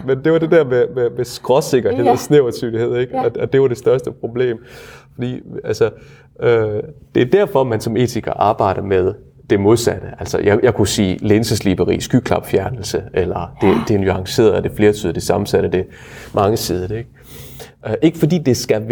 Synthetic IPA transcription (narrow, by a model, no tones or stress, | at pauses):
mend̥e̝ʋɑ̈d̥e̝d̥æɐ̰mememesɡ̥ʁɒse̝ɡ̥ɐe̝ð̰ˠɒsneʊɐt͡sʰyːlie̝ð̞̰ˠeɡ̥ɒɒd̥e̝ʋɑ̈d̥e̝sd̥ɶɐsd̥əpʰʁo̝b̥le̝̰ːmfɒ̽d̥ḭːælsə | ød̥e̝æɐd̥æɐ̰fɒ̽mænsɒ̽me̝̰ːt͡sʰiɡ̥ɐʔɑ̈ːb̥ɑ̈ɪ̰ɾ̥ɐmeðˠ | d̥e̝mo̝ðˠsæd̥əʔælsɐjɑjɑ̈ɪkʰusḭːlensəslib̥ɐʁḭːsɡ̥ykʰlɑ̈b̥fjæɐnl̩səelɐd̥e̝d̥e̝nyɑ̈ŋse̝̰ːɐð̩ˠɒd̥e̝fle̝ːɐt͡sʰyːð̞ˠɐd̥esɑ̈mm̩sæɾ̥əd̥e̝ | mɑ̈ŋəsið̞ˠɐeɡ̥̚ | ʔe̝ɡ̥əfɒ̽dḭːd̥e̝sɡ̥æ